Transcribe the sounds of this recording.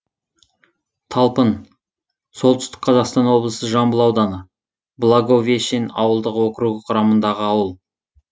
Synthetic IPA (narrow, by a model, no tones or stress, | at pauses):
t̪ʰɑlˠpən | so̞lˠt̪ʏ̥st̪ɪ̥k̚qʰɑzɑqst̪ɑnwo̞blˠəsəʒɑmbəlˠɑwd̪ɑnə | blˠaɡovʲieʃenɑ̰wəlˠd̪əqwo̞kɾuɡəqʰʊɾɑmənd̪ɑʁəɑwəlˠ